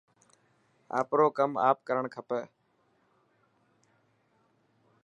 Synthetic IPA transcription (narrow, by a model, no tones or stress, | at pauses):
a̰ːpɾoːkəma̰ːp̚kəɾəɳkʰəpəː